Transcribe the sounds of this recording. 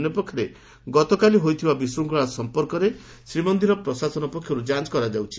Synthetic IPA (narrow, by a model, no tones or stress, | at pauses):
njɔpɔkʰːjɔɾe | ɡɔt̪ɔkaliɦojt̪ʰibabisɾuŋkɔɽasɔmpɔɾkɔɾe | sɾimɔnd̪iɾɔpɾɔsasɔnɔpɔkʰjɔɾud͡ʒat͡ʃkɔɾad͡ʒawt͡ʃʰi̥